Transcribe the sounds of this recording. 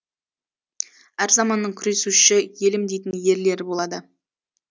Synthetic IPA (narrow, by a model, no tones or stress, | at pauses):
æɾzɑmɑnːəɴkʲʰʏɾe̞suʃɪje̞lɪmd̪e̞jt̪ɪnje̞ɾle̞ɾɪbo̞lˠɑd̪ə